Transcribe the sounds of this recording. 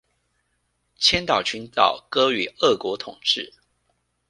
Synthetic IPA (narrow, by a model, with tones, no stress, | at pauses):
t͡ɕʰjɛ˥nt̪ɑ˨˩ʊt͡ɕʰy˧˥nt̪ɑ˨˩ʊkɤ˥y˨˩ə˥˩kwɔ˧˥t̪ʰʊ˨˩ŋʈ͡ʂɻ̩˥˩